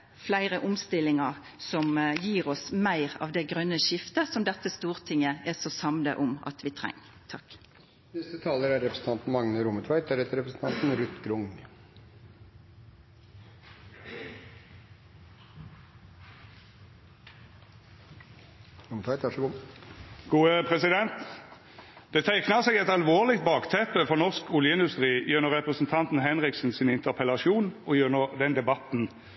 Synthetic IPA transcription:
flæɪʁəʔʊmst̪ɪlɪŋɑʁ | sɔmjiːʁɔsmæɪʁɑ̰ːʋd̪ɛɡʁœnːəʃɪft̪əsɔmd̪ɛt̪ːəst̪uːʁt̪ʰɪŋːəɛsosɑmd̪ə̰ʔʊmɑ̰t̪ʋɪt̪ʰʁɛ̰ŋːt̪ʰɑk | nɪsət̪ʰɑːləɾæɾɾɛpɾəsən̩t̪ɑnt̪n̩mɑŋnəɾuːmət̪ʰʋæɪt̪ʰæɾɛt̪ːəɾɛpɾəsn̩ʰɑnt̪n̩ɾʉt̪ɡɾʊŋ | ɾʊmət̪ʰæɪt̪ʰɑʂɡuː | ɡ̥uːəpʰʁɛsɪd̪ɛnt̪ | d̪̥ɛːt̪ʰæɪknɑʁseːɡɛt̪ɑlʋoːʁlɪkt̪̚bɑːkt̪ʰɛpəfɔʁnɔʁskʊljəɪnd̪ʉst̪ʁiːjʉnəʁɛpʁəsn̩t̪ʰɑnt̪n̩hɛnʁɪksn̩sɪnɪnt̪əʁpʰəlɑʃuːnɔjøːnəʁd̪ɛnd̪ɛbɑt̪n̩

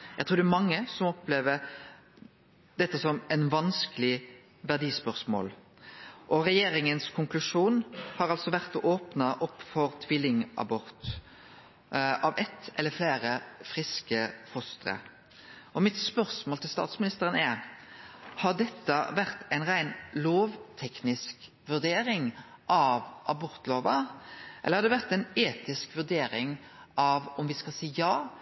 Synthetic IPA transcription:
jæɛɡt̪ɾʉːɾd̪ɛmɑŋːəsɔmɔpːleːʋəɾ | d̪ɛt̪ːəsɔmæɪnʋɑnskəlɪ | ʋæʁd̪iːspœʁsmo̰ːl | ʔɔɾɛjeːɾɪŋənskʰʊŋklʉʂuːnhɑɾɑlsɔʋæʁt̪ɔʔoːpnɑʔɔpːfɔɾt̪ʰʋɪlːɪŋʔɑ̰bɔʁt̪ | ɑʋɛt̪ːɛlːəfleːɾəfɾɪskəfɔst̪ɾə̰ | ʔɔmɪt̪spœɾsmoːlt̪ʰɪlst̪ɑ̰ːt̪smɪnɪst̪əɾənɛɾ | hɑd̪ɛt̪ːəʋæʁt̪æɪnʁæɪnloːʋt̪ʰɛknɪsk | ʋʉɾd̪eːɾɪŋ | ʔɑʋʔɑbɔɾt̪loːʋəʔɛlːəhɑd̪ɛʋæʁt̪æɪneːt̪ɪskʋʉʁd̪eːɾɪŋɑʋɔmʋɪskɑsiːjɑː

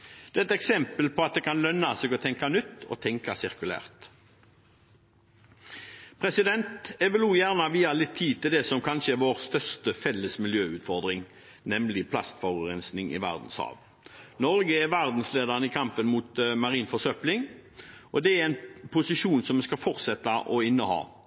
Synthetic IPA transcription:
d̪̥ɛɛt̪ɛksɛmpəlpʰɔɑt̪̚d̪ɛːkʰɑnlœnːɑseːɡɔt̪ʰɛŋkɑnʏt̪ːɔ̰t̪ʰɛŋkɑsɪʁkʉlæ̰ːʁt̪ | pʰʁɛsɪd̪ɛnt̪ɛʋəlʉːjæːʁnɑʋiːɑlɪt̪ʰːiːd̪̚t̪ɪld̪ɛsɔmkʰɑnʃəɛʁʋoːʁst̪œʁʂt̪əfɛlːəsmɪljøːʉːt̪fɔʁd̪ʁɪŋ | nɛmlɪpʰlɑ̰st̪fɔʁʉʁɛnsnɪŋɪ̰ʋæ̰ʁd̪n̩shɑ̰ːʋ | nɔɾɡəɛʋæʁd̪n̩sleːd̪ɑʁnəɪkʰɑmpənmuːt̪mɑʁiːnfɔsœplɪŋʔɔd̪ɛæɛɪnpʰʊsɪʃuːnsɔmɛskɑfɔʁt̪sɛt̪ːɑʔɔɪnːəhɑ̰ː

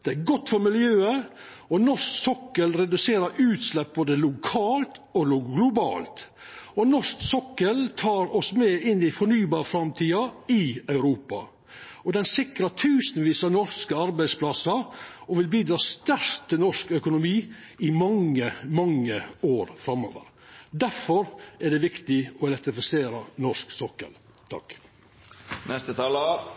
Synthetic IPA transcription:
d̪̥ɛæɡɔt̪ːfɔɾmɪljøːə | ɔnɔʂksɔkːəlɾɛd̪ʉseːɾəʉːt̪slɛp̚boːd̪əlʊkʰɑːlt̪ | ɔlʊɡlʊbɑ̰ːlt̪ | ɔnɔʂksɔkːəlt̪ʰɑːɾɔsmɛɪnːɪfɔɳyːbɑːɾəfɾɑmt̪ʰiːɑɪɑʉɾuːpɑ̰ | ɔd̪ɛnsɪkɾət̪ʰʉːsənʋiːsənɔɾskəɑɾbæɪspʰlɑsəɾɔʋɪlbiːd̪ɾɑːst̪æɾt̪ʰːɪlnɔʂkœkʊnʊmiː | ɪmɑŋːəmɑŋːəoːɾfɾɑmːo̰ːʋə̰ɾ | d̪æɾfɔɾæɖɛʋɪkt̪ɪɔɪlɛt̪ɾɪfɪseːɾɑnɔʂksɔkːə̰l | t̪ʰɑ̰k | nɛst̪ət̪ʰɑːl

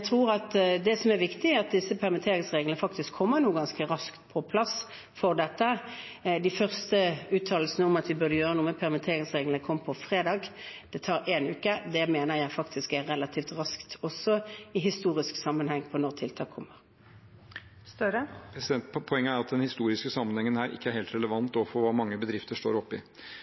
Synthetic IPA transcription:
t̪ʰʁuːʁɑt̪d̪ɛsɔmɛɾʋɪkt̪ɪæɾɑt̪̚d̪ɪsːəpʰæʁmɪt̪ʰeːʁɪŋsʁeːɡlnəfɑk̚t̪ɪskʰːɔmːəʁnuːəɡɑnskəʁɑskt̪pʰɔpʰlɑs | fɔʁd̪ɛt̪ːə | d̪ɪfœʁst̪əʉːt̪ʰɑːl̩snəɔmɑt̪ʋɪbʉʁd̪əjøːʁənuːəpʰæʁmɪt̪ʰeːʁɪŋsʁeːɡləkʰɔmːpʰɔfʁeːd̪ɑːɡd̪̥ɛt̪ʰɑːɾeːnʉːkəd̪ɛmeːnəʁjæɪfɑkt̪ʰɪskæʁʁɛlɑt̪ʰiːft̪ʁɑskt̪ɔsːɔɪɦɪst̪uːʁɪsksɑmːənhɛŋpʰɔnɔʁt̪ʰɪlt̪ʰɑːkʰːɔmːəʁ | ɛpʰɔɛŋːəæɾɑt̪̚d̪ɛnhɪst̪uːɾɪskəsɑmːənhɛŋːənhæːɾʔɪ̰kːəæɾheːlt̪ɾɛləʋɑnt̪ɔfɔɾʋɑːmɑŋːəbəd̪ɾɪft̪əʂto̰ːɾɔpːɪ̰

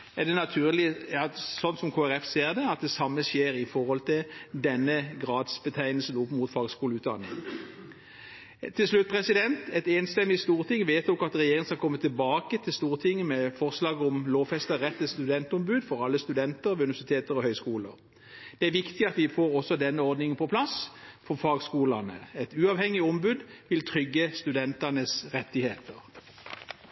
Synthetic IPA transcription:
ɛʁd̪ɛnɑt̪ʰʉːʁlɪ | sɔnt̪sɔmkʰoːæʁɛfseːʁd̪ɛɑt̪̚d̪ɛsɑmːəsjeːɾɪfɔʁɔlt̪ʰɪld̪ɛnːəɡʁɑːd̪sb̥ət̪ʰæɪnlsn̩ʊpːmuːt̪fɑːɡskuːləʉːt̪d̪ɑnːɪ̰ŋ | t̪ʰːɪlslʉt̪̚pʰʁɛsɪd̪ɛnt̪ɛt̪eːnst̪ɛmːɪst̪uːʁt̪ʰɪŋːʋeːt̪ɔkɑt̪ʁɛjeːʁɪŋskɑkʰɔmːət̪ʰːɪlbɑːkət̪ʰɪlst̪uːʁt̪ʰɪŋːəmɛfɔʁslɑːɡəɔmloːʋfɛst̪əʁɛt̪ːəst̪ʉd̪ɛnt̪ʊmbʉːd̪fɔʁɑlːəst̪ʉd̪ɛnt̪əɾʋʉnʋæsɪt̪ʰeːt̪əʁɔhœʏskuːləʁ | d̪̥ɛæʁʋɪkt̪ɪɑt̪ʋɪfoːɾɔsɔd̪ɛnːəɔʁd̪nɪŋənpʰɔpʰlɑsfɔʁfɑːɡskuːlɑnə̰ɛt̪ʉːɑːʋhɛŋːɪɔmbʉd̪ʋɪlt̪ʰʁʏɡːəst̪ʉd̪ɛnt̪ɑnəsʁɛt̪ːɪheːt̪əʁ

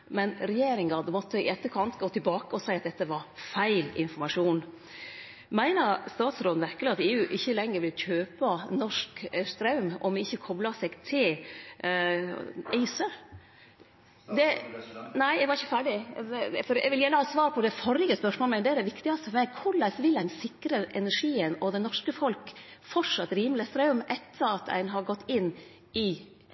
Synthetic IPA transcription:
mɛnɾɛjeːɾɪŋɡɑd̪mɔt̪ːəɪʔɛt̪ːəkʰɑnt̪ɡoːt̪ʰɪlbɑːkəɔsæɪɑt̪̚d̪ɛt̪ːəʋɑɾfæɪlɪ̰nfɔɾmɑʂuːn | mæɪnəɾst̪ɑːt̪sɾoːd̪n̩ʋæɾkəlɪɑt̪eːʉːʔɪçːəlɛŋːəɾʋɪlçøːpɑnɔʂkst̪ɾɑʉmʔɔ̰mɪçːəkʰɔblɑsɛɡt̪ʰɪl | æɪsə | d̪ɛnæɪɛɪɡʋɑɾɪçːəfæːɖɪfɔɾɛ̰ʋɪljælːəhɑːt̪sʋɑːɾpʰɔd̪ɛfɔɾɪɡəspœʂmoːlmɛd̪ɛæɖɛʋɪkt̪ɪɡɑst̪ɔfɔmæɪɡkʰʊlæsʋɪlæɪnsɪkɾəʔɛnæʂiːənɔd̪ɛnɔʂkəfɔlkfɔʂɑt̪ːɾiːməlɪəst̪ɾɑʉmʔɛt̪ːəɾɑt̪æ̰ɪnɦɑɾɡɔt̪ːɪnː | ɪ

